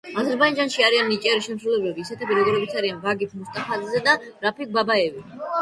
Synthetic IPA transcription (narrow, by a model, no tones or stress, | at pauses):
azɛɾbaid͡ʒanʃiaɾianːit͡ʃʼɛɾiʃɛmsɾulɛbɛbiːsɛt̪ʰipʼiɾɔd̪ulɛbit̪sʰaɾianvaɡip̪ʰmust̪ʼaχazizɛd̪aɾapʰik̚babaɛvi